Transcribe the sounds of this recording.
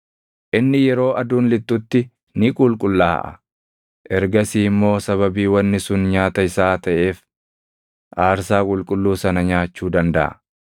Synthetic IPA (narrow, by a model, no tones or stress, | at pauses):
ʔɪnːɪjɛɾo̞ːʔɐd̪uːnlɪt̪ːʊt̪ːɪ | nɪkʼʊlkʼʊlːaːʔɐ̰ | ʔɛɾɡɐsiːmːo̞ːsɐβɐbiːwɐnːɪsʊnɲaːt̪ɐɪsaːt̪ɐʔe̞ːf | ʔaːɾsaːkʼʊlkʼʊlːuːsɐnɐɲaːt͡ʃːuːd̪ɐnd̪ɐʔɐ̰